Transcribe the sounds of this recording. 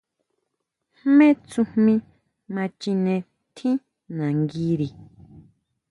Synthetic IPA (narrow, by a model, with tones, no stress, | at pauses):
hmẽ˦t͡sũ˧mĩ˧ | mã˧t͡ʃĩ˧nẽ˧ | t̪ʰĩ˦ | nã˨ŋɡi˧ɾi˨